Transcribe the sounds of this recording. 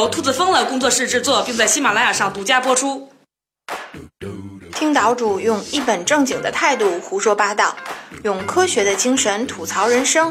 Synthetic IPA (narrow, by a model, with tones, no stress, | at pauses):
ʊt̪ʰu˥˩t͡sɹ̩˥˩fɤ˥ŋlə˨kʊ˥ŋt͡swɔ˥˧ʂɻ̩˥˧ʈ͡ʂɻ̩˥˧t͡swɔ˥˩pi˥˧ŋt͡sa˥˩ɪɕi˥ma˨˩la˥ɪja˨˩ʂɑ˥˩ŋt̪u˧˥t͡ɕja˥pwɔ˥ʈ͡ʂʰu˥ | t̪ʰi˥ŋt̪ɑ˧˥ʊʈ͡ʂu˨˩jʊ˥˧ŋi˥˩pə˨˩nʈ͡ʂɤ˥˩ŋt͡ɕi˨˩ŋd̪ə̰˦t̪ʰa˥˧ɪt̪u˥˩xu˧˥ʂwɔ˥pa˥t̪ɑ˥˩ʊjʊ˥˩ŋkʰɤ˥ɕɥɛ˧˥d̪ə˧t͡ɕi˥ŋʂə˧˥nt̪ʰu˨˩t͡sʰɑ˧˥ʊɻə˧˥nʂɤ˥ŋ